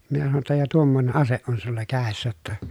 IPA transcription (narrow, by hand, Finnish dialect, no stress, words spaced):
minæ sɑnoj jotːɑ jɑ tuomːoĭne ʔɑseʔ ʔon sulːɑ kæˑesːæ tːæ